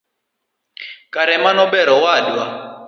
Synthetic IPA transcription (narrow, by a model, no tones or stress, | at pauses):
kʼaɾɛmanɔbɛɾɔwaːdwa